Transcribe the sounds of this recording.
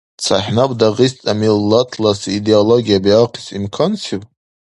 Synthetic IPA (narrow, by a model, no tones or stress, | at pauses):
t͡sʰa̰ħnabʷʼdaʁistʼamilːatʰlasideoloɡʲijabiaqʰisʼimkʰansi